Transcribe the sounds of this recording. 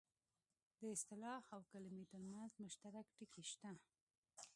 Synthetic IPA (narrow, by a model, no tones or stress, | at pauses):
d̪əɪst̪ɪlɑhawkalɪmit̪əɾmanzmʊʃt̪aɾakʈəkʰeʃt̪a